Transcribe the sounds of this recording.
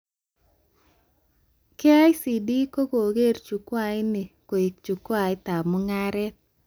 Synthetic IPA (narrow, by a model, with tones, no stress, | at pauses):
ke˦a˦jsi˨di˦ko˦ko˨ɡe˦rt͡ʃu˨kwa˦˨ɪ˦nɪ˨ko˨ɪ˨k̚t͡ʃu˨kwa˨ɪ˦t̪a˨mɔ˦ŋa˦ɾɛ˦t